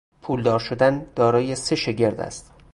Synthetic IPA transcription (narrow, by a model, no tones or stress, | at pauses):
pʰuːld̪ɒːɾʃod̪ænd̪̥ɒːɾɒːjese̞ʃe̞ɟe̞ɾd̪æ̰st̪